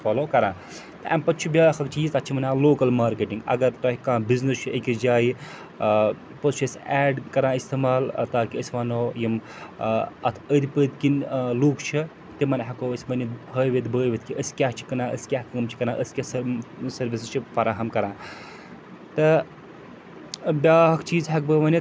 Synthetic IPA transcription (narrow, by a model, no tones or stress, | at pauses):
fɐːloːkɐɾãː | t̪ɐʔa̰mpɐt̪̚t͡ʃʰibʲaːxɐkt͡ʃʰijizt̪ɐt̪ːt͡ʃʰimɐnaːloːkɐlmaːɾkeʈiŋɡɐ̰ɡɐɾɾɐɦʲikãːbiznɐst͡ʃʰiʔekʲid͡ʒaːji | pɐt̪t͡ʃʰesʲɛːɖkɐɾãːist̪ʰeːmaːlt̪aːkiəsʲiʋɐnoːjim | ɐt̪ʰəd̪ʰipəːd̪kinluːkt͡ʃʰi | t̪imɐnɦɐkoːəsʲibɐnipʰəːjʋet̪bəːjʋet̪ʰkiʔəsʲkʲaːɦt͡ʃʰi̥kɐnãːʔə̰sʲi̥kʲaːɦkɐmt͡ʃʰi̥kɐnãːʔəsʲkʲasɐsɐɾʋist͡ʃʰifɐɾaːɦɐmkɐɾãː | t̪ɨ | bʲaːɦɐkt͡ʃiːzɦɐk̚bəmɐni